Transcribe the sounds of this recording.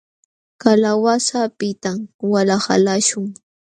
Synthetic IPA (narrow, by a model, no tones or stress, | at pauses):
kalawasapɪt̪amwalaha̰laʃʊŋ